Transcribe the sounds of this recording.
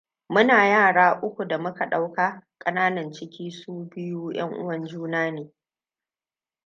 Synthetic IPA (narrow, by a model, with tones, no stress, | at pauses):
mʊ˦naː˨jaː˦˨ɽaː˦ʔʊ˦kʷu˨da˨mʊ˦ka˨ɗa˦wka˦kʼɐ˦naː˦nɐ˨nt͡ʃɪ˦kʲiː˦suː˦bɪ˦juː˦j̰ɐ̰˦ŋʔʊ̰˦wɐ˨nd͡ʒuː˦naː˦neː˨